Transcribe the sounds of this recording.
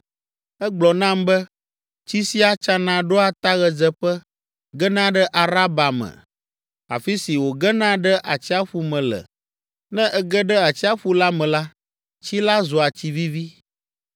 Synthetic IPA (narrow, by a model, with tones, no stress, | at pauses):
ɛ˦ɡ͡blɔ˨nã˦mbɛ˦ | t͡ɕi˦si˦a˦t͡ʃa˦nã˨ɖo˦a˨t̪a˦ɣɛ˨d͡zɛ˦ɸɛ˦ | ɡɛ˦nã˦ɖɛ˦ʔa˨ɾa˦ba˨mɛ̰̃˨ | a̰˨fi˦si˨wo˨ɡɛ˦nã˦ɖɛ˦ʔa˨t͡ɕi˦a˦ɸu˨mɛ̃˨lɛ̰˨ | nɛ̃˦ʔɛ˦ɡɛ˦ɖɛ˦a˨t͡ɕi˦a˦ɸu˦la˦mɛ̃˨la˦ | t͡ɕi˦la˦zo˨a˨t͡ɕi˦vi˦vi˦